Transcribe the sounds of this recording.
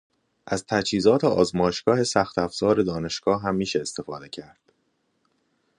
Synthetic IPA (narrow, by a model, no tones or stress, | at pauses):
ʔæz̥t̪ʰæt͡ʃhiːzɒːt̪ʰeɒːzmɒːjeʃɡ̥ɒːhe̞sæxt̪æfz̥ɒːɾe̞d̪ɒːne̞ʃɡ̥ɒːɦæmːiːʃeːst̪e̞fɒːd̪e̞cʰæɾd̪̥